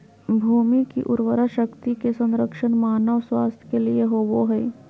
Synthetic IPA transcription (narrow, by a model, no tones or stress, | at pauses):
bʱuːmikḭʔʊɾʋəɾaʃəkt̪ikesə̃nɾəkʃənmaːnəʋswaːst̪ʰjkelieɦoːʋoɦɛː